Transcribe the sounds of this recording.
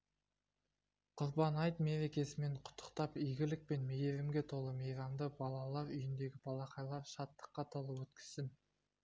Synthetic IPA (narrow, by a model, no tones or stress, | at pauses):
qʰʊɾbɑnɑjt̪me̞ɾe̞kʲe̞sɪme̞ɴqʰʊ̥t̪ʰːə̥qt̪ɑpijɡʲɪlɪk̚pe̞nmejeɾɪmɡʲe̞t̪ʰo̞lˠəmejɾɑmd̪əbɑlˠɑlˠɑɾʏjɪnd̪e̞ɡʲɪbɑlˠɑqɑjlˠɑɾʃɑt̪ːə̥qːɑt̪ʰo̞lˠəwɵt̪kʲɪ̥z̥t̪ɪm